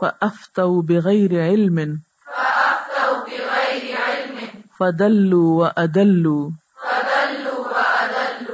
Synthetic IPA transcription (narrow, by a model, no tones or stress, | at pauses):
faʔaft̪ˤɑwbɪɣajɾɪʕɪlmɪn | aʔaft̪ɑbɪɣajɾʕɪlmfad̪alːuːwaʔad̪alːuː | ad̪alːaʔad̪al